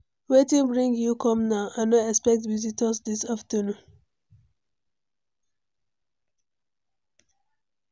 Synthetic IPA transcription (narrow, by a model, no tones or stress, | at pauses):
wetĩŋbɹĩŋɡjukɔ̃mnaʊʔãnɔɛkspɛk̚tvizitʰəsdisaftənũn